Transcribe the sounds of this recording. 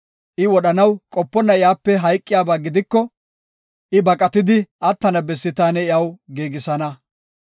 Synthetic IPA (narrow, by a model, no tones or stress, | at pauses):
ʔɪwɔɗɐnɐwkʼɔpːɔnːɐɪjaːpːɛɦɐjkʼːɪjaːbaːɡɪd̪ɪkːɔ | ʔɪbɐkʼɐt̪ɪd̪ɪʔɐt̪ːɐnɐbɛsːɪt̪aːnɛɪɐwɡeːɡɪsɐnɐ